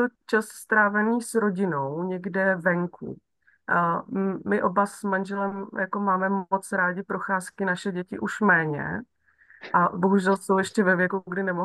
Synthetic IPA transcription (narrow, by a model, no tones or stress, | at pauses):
t̪ot͡ʃasst̪ɾaːvɛniːsɾo̞ɟɪno̞wɲɛɡdɛvɛŋkʰṵ | mɪʔo̞basmanʒɛlɛmjako̞maːmɛot͡sɾaːɟɪpɾo̞xaːskɪnaʃɛɟɛcɪʔuʃmɛːɲɛ̰ | ʔabo̞ɦuʒɛlsowjɛʃcɛvɛvjɛkuɡdɪnɛmo